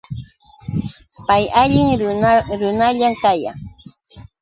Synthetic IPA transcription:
pajaʎɪŋɾʊnaʎamkaja̰ŋ

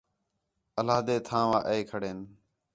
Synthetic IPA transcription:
əlaːd̪eːt̪ʰãːʋaːʔəeːkʰəɽeːn

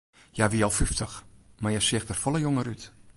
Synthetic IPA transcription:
jaʋiɔlˠfyftʰəxmajɛsɪxtərfɔlˠəjoŋəryt

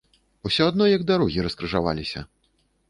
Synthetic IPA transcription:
usʲɔad̪nɔjɐɡ̚d̪aɾɔɣʲiɾɐskɾɨʐava̰lʲisʲɐ̰

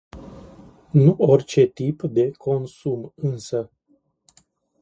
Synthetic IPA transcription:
nuo̞rʲt͡ʃe̞t̪ipd̪e̞kʰo̞nsumɨnsə

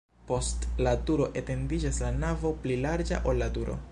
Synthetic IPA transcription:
po̞stladuɾo̞ʔe̞te̞ndid͡ʒaslanavo̞plilaɾd͡ʒa̰ʔo̞lːaduɾo̞̰

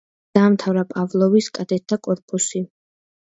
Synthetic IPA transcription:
aːmt̪ʰavɾapʼavlˠɔviskʼad̪ɛt̪ʰːakʼɔɾpʼusi

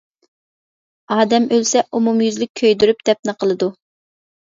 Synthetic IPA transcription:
ɑːd̪ɛmølsɛumumjyzlyk̚ʲʰːøjd̪yɾyp̚d̪̥ɛp̚nɨqʰəlˠɨd̪u

